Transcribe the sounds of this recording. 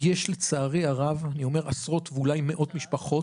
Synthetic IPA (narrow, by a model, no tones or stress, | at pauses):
jeʃlet͡saːʁeaʁavanio̞me̞ʁasʁo̞t̪vulajme̞ʔo̞t̪miʃpaχo̞t